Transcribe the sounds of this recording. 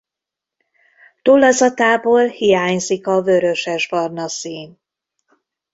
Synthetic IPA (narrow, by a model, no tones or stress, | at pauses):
t̪olːɒzɒt̪aːboːlhijaːɲzikɒvøɾø̞ʃɛʒbɒrnɒsiːn